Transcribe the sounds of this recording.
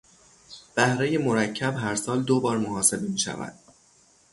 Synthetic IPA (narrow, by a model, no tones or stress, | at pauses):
b̥æhɾe̞jemo̞ɾæcʰːæbɦæɾsɒːld̪obɒːɾmohɒːse̞bemiːʃæ̰væ̰d̪̥̚